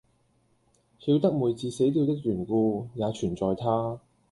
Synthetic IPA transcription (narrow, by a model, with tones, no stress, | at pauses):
hiː˨˧wt̪ɐ˥k̚muː˨˧jt͡siː˧se˨˥jt̪iː˧wt̪ɪ˥k̚jyː˨˩nkuː˧jaː˨˧t͡ʃʰyː˨˩nt͡sɔː˨jt̪ʰaː˥